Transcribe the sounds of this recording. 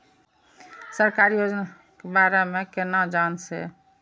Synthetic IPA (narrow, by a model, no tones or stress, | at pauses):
səɾkaɾijod͡ʒna | kebaɾemekenad͡ʒansɛ̰